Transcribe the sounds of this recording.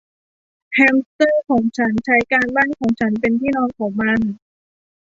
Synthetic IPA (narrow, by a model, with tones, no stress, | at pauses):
hʰɛː˧mst̪ɤː˥˩kʰɔː˩˦ŋt͡ɕʰa˦˥nt͡ɕʰa˦˥jkaː˧nbaː˥˩nkʰɔː˩˦ŋt͡ɕʰa˦˥npe˧nt̪ʰiː˥˩nɔː˧˥nkʰɔː˩˦ŋma˧n